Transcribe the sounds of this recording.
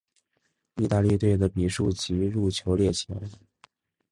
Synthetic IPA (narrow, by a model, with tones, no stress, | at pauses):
i˥˧t̪a˥˧li˥˧t̪̬we˥˩ɪd̪ə˩pi˨˩ʂu˥˩t͡ɕi˧˥ɻu˥˩t͡ɕʰjo˧˥ʊljɛ˥˩t͡ɕʰjo˧˥ʊ